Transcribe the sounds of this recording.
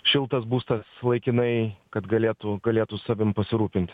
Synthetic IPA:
ʃʲɪlˠt̪ɐsbuːst̪ɐslˠɐɪkʲɪnɐɪkɐt̪ɡɐlʲeːt̪ʊɡɐlʲeːt̪ʊsɑːʋʲɪmpɐsʲɪɾuːpʲɪnʲt̪ʲ

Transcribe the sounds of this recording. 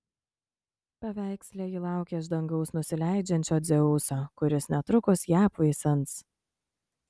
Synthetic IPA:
pɐʋʲæˑɪksʲlʲeːjɪlˠɑˑʊkʲeʒd̪ɐŋɡɒʊsnʊsʲɪlʲæˑɪd͡ʒʲɛnʲt͡ʃʲoːd̪zʲɛʊsoːkʊɾʲɪsnʲɛt̪ɾʊkʊsjæːpɐɪsʲɐnˑt̪s

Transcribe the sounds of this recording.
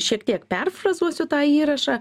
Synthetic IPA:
ʃʲiɛkt̪ʲiɛkpʲɛrfrɐzuɔsʲʊt̪ɑːiːɾɐʃɑ

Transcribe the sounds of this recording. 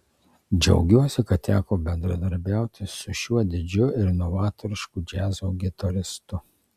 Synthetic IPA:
d͡ʒʲɛ̰ʊɡʲuɔsʲɪkɐt̪̚t̪ʲæːkoːbʲɛnd̪ɾɐd̪ɐɾʲbʲæˑʊt̪ʲɪsʊʃʲuɔd̪ʲɪd͡ʒʲʊɪɾnɔʋɑːt̪oɾʲɪʃkud͡ʒʲæːzoɡʲɪt̪ɐɾʲɪst̪ʊ

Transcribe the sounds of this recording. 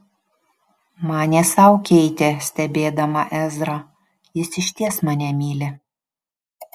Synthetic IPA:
mɑːnʲeːsɐʊkʲɛɪt̪ʲesʲt̪ʲɛbʲeːd̪ɐmɐʔɛzɾɐ | jɪsɪʃʲt̪ʲiɛsmɑːnʲɛmʲiːlʲɪ

